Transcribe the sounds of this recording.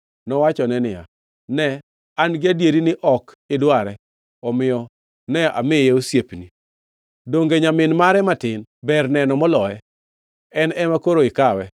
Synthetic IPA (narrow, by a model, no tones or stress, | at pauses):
nɔwat͡ʃɔnɛnɪja̰ | nɛ | anɡɪadjeɾinɪʔɔk | ɪdwaɾɛ | ɔmɪjɔ | nɛa̰mɪjeosjepni | doŋɡeɲamɪnmaɾɛmatɪnbɛrnɛnɔmɔlɔɛ | ɛnɛmakoɾoɪkawɛ